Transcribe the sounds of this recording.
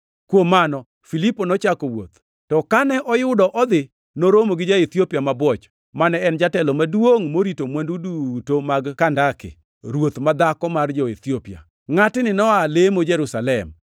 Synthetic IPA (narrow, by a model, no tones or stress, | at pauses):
kwomːanɔ | filiponɔt͡ʃakowo̰t̪ | tɔkanɛʔɔjʊdɔʔɔd̪ɪ | noɾomoɡɪd͡ʒait̪iopiamabwɔt͡ʃ | manɛɛnd͡ʒatɛlɔmadwoŋmoɾitomwandudutomaɡkandakɪ̰ | ɾwot̪mad̪akɔmard͡ʒɔet̪iopia̰ | ŋatɪnɪnɔalemod͡ʒɛɾusalɛm